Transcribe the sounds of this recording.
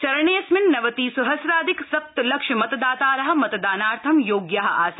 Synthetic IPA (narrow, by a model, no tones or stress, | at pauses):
t͡ʃɐɾɐɳeːsmɪnːɐʋɐt̪iːsuɦɐsɾaːd̪iksɐp̚t̪lɐkʂɐmɐt̪d̪aːt̪aːɾɐɦɐ̆mɐt̪d̪aːnaːɾt̪ʰɐmjoːɡjaɦɐ̆aːs